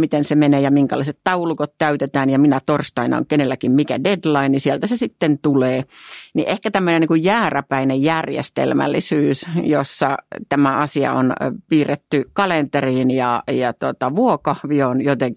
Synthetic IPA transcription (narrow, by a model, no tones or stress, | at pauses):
mit̪ensemeneːjɑmiŋkɑlɑ̰iset̪t̪ɑulukot̪t̪æyt̪et̪æːnjɑminæt̪orst̪ɑinɑ̰o̰ŋkenelːækimmikæ̰dedlɑinisielt̪æsesit̪ːent̪uleːnḭʔehkæt̪æmːøneniːŋkujjæːræpæinejjærjḛst̪ḛlmæ̰lːḭsyːsjosːɑt̪æmæɑsiɑ̰o̰npiːret̪ːykɑlent̪eriːnjɑ̰jɑt̪uot̪ɑʋuokɑhʋionjot̪eŋki